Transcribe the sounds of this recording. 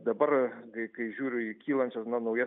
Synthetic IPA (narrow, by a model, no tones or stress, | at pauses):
d̪ɐbɐɾkɐɪkɐɪʒʲuːɾʲʊikʲiːlˠɐnʲt͡ʃʲɛsnɐnɐʊjɛ